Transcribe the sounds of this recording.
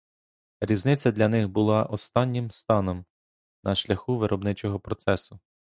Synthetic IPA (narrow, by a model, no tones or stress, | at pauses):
ɾʲiznɪt͡sʲːɐd̪lʲɐnɪxbʊlˠɑʔɔst̪ɑnʲːɪmst̪ɑnɔm | nɐʃlʲɐxuʋɪɾʔɔbnɪt͡ʃɔɦɔpɾɔt̪sɛsʊ